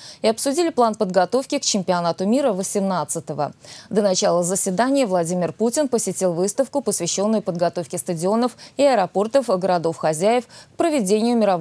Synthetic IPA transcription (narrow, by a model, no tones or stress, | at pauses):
ɪɐpsʊdʲilʲɪplˠanpəd̪ɡɐt̪o̞fkʲɪkt͡ɕɪmʲpʲɪɐnat̪ʊmʲiɾəvəsʲɪmnat̪sɨt̪əvə̰d̪ənɐt͡ɕalˠəzəsʲvʲɪd̪anʲɪjəvlˠɐdʲimʲɪrputʲɪnpəsʲɪtʲilˠvɨst̪əfkʊpəsvʲɪɕːo̞nːʊjʊpəd̪ɡɐt̪o̞fkʲɪst̪ədʲɪo̞nəfɪɐɾɐpo̞rt̪əfɡəɾɐd̪o̞fxɐzʲæjɪfk̚pɾəvʲɪdʲenʲɪjʊmʲɪɾɐv